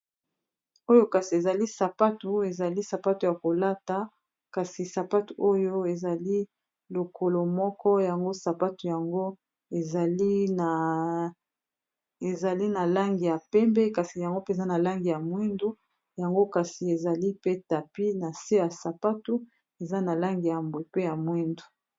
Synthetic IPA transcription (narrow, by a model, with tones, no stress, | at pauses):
o˦jo˦ka˨si˨e˨za˨li˦sa˨pa˦tu˨e˨za˨li˦sa˨pa˦tu˨ja˨ko˨la˦ta˨ | ka˨si˨sa˨pa˦tu˨ʔo˦jo˦e˨za˨li˦ | lo˨kʰo˨lo˨mɔ˦kɔ˦ja˨ŋɡo˦sa˨pa˦tu˨ja˨ŋɡo˦ | e˨˦˨ | e˨za˨li˦na˨la˦ŋɡi˨ja˨pɛ˦mbɛ˦ka˨si˨ja˨ŋɡo˦pe˨za˦na˨la˦ŋɡi˨ja˨mwi˦ndu˦ | ja˨ŋɡo˦ka˨si˨e˨za˨li˦pe˦ta˨pi˦na˨se˦ja˨sa˨pa˦tu˦ | e˨za˦na˨la˦ŋɡi˨ja˨mbwe˨pe˦ja˨mwi˦ndu̥˨